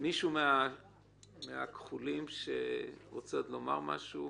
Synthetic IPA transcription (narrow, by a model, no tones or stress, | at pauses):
miʃumea | mea̰kχulimʃḛʁot͡sot̪lo̞ma̰ʁma̰ʃu